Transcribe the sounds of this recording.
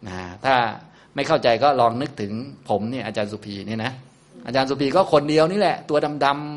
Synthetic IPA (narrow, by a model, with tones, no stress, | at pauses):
ʔaː˧˩t̪ʰaː˥˩ | ma˥˩jkʰa˥˩wt͡ɕa˧jkɔː˥˩ɾɔː˧ŋnɯ˦˥k̚t̪ʰɯ˩˦ŋpʰo˩˦mniː˥˩ɐʔaː˧t͡ɕaː˧nsuː˧˩pʰiː˧niː˥˩˨na˦˥ | ʔa̰ː˧t͡ɕaː˧nsuː˧pʰiː˧kɔː˥˩kʰo˧ndi˧əwniː˥˩lɛ˨˩ʔt̪u˧ɐda˧mda˧m